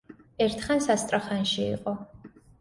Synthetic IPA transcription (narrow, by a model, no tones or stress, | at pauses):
ɛɾt̪ʰχansast̪ʼɾaχanʃḭːqʼɔ